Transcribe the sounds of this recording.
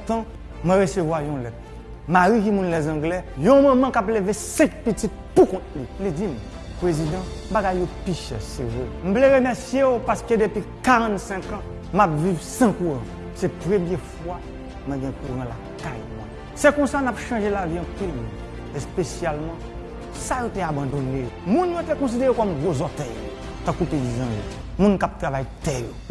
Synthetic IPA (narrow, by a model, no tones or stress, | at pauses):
t̪ã | mwɛ̃ʁesevwajɔ̃lɛt̪̚ | maʁik̬imũnlɛzɑ̃ɡlɛjɔ̃mãmãkaplevesɛ̃k̚pitittukɔ̃t̪̚lilid͡zim | pʁezid̪ãbaɡajːopiʃɛsevḛm̩pleʁemɛsjeopasked̪epikaʁãt̪sɛ̃kã | mapvivsãkuʁã | sɛpʁemjɛfwa | mwɛ̃ɡɛ̃kuʁãla | kajmw̃ɛ̰̃ | sɛkɔ̃sanapʃɑ̃ʒelaviɑ̃pilmũn | espesjalmɑ̃ | sajoteabãd̪onejomũnjotekɔ̃s̬ideɣekɔmɡozɔtɛjo̰ | t̪ãkupeizãjo̰ | mũnkap̚t̪ʁavajtɛjo